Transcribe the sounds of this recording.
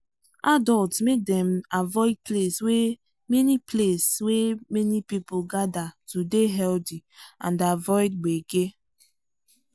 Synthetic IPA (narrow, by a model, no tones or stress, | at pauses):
adɔltmedemavɔɪd̚pleswe | menipleswemenipipʊɡadatudeɦɛldiã̰ndavɔɪd̚ɡ͡beɡe